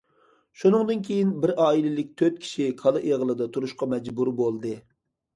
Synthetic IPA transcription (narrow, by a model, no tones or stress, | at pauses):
ʃunɨŋd̪ɨnkʲʰejinbɪɾɑːilɪlɪk̚ʲt̪ʰøt̪̚kʲʰi̥ʃikʰɑlˠɨʔeʁəlˠɨd̪ɑt̪ʰuɾuʃqɑmɛd͡ʒbuɾbolˠd̪ɨ